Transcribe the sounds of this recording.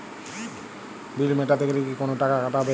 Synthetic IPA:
bilmeʈat̪ʰekelekikonoʈakakaʈaɦɔbe

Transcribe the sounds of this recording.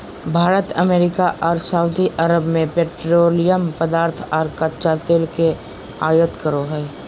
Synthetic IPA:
bʱaːɾət̪əmeːɾɪkaʔɔːɾsaːʊd̪iʔɐɾəbmẽpeːʈɾoːlɪjəmpəd̪aːɾt̪ʰɔːɾkət͡ʃaːt̪elke | aːjət̪kəɾoɦɛː

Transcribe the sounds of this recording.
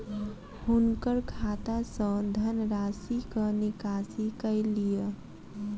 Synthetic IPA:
hunkəɾkʰat̪asə̃d̪ʱənɾasikənikasikəɪlije

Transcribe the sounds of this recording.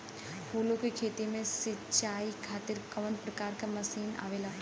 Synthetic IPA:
huːlukikʰeːt̪imẽsɪt͡ʃaːikʰaːt̪ɪɾkɐʋənpɾɐkaːɾkamɐsiːna̰ːʋeːlaː

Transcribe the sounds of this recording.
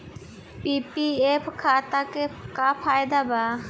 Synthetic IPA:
piːpieːpʰkʰaːt̪akekapʰaːjd̪abaː

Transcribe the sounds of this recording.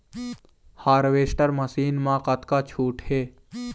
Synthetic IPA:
haːɾʋeːsʈəɾmɐsiːnmãːqɐt̪kaːt͡ʃʰuːʈheː

